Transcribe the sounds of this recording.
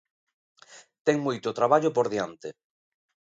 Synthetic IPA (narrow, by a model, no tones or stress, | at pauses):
t̪ɛŋmujt̪ot̪ɾaβaʎopoɾðiant̪e